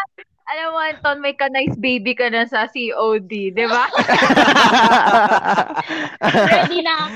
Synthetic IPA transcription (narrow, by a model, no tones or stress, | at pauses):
ʔɐlɐwɐnt̪onmɐjkɐnajsbejbikɐnɐsɐsiʔowd̪id̪ɪba | d̪inɐ